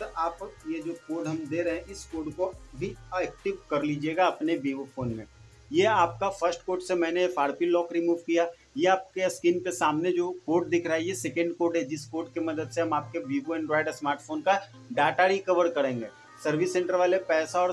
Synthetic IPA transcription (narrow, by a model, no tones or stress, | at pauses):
t̪ʔaːpjed͡ʒoːkoːɖɦɐmd̪eːɾɐɦɛ̃ʔɪskoːɖkobʱiɛːk̚ʈɪʋkɐɾliːd͡ʒieːɡaɐpnebiːʋofʰoːnmẽ | jeaːp̚kafɐɾsʈkoːʈsemɛ̃ːnefaːɾpilɔːkɾimuːʋkija | jeaːp̚keskɪnpesaːmned͡ʒoːkoːʈ̚d̪ɪkʰɾaɦejesɛkə̃ɳɖkoːɖɦɛd͡ʒɪskoːɖkemɐd̪əd̪seɦɐmaːp̚kebiːboɛ̃ɳɖɾaːɪɖsmaːɾʈfʰoːnka | ɖaːʈaɾikɐʋəɾkɐɾẽːŋɡeː | sɐɾʋɪsːẽːɳʈəɾʋaːlepɛːsaɔːɾ